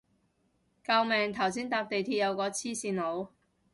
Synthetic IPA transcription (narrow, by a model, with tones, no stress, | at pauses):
kɐ˧wmɛː˨ŋt̪ʰɐ˨˩wsiː˥nt̪aː˧p̚t̪e˨jt̪ʰiː˧t̚jɐ˨˧wkɔː˧t͡sʰiː˥siː˨˧nlo˨˧w